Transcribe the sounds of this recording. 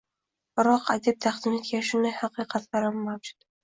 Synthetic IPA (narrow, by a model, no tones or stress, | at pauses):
bɾɒqʰad̪ip̚t̪ʰaχd̪ɪme̞t̪̚ɡʲanʃʊnd̪ajhɑqɨjqʰɑt̪ʰlaɾamːawd͡ʒʊd̪̥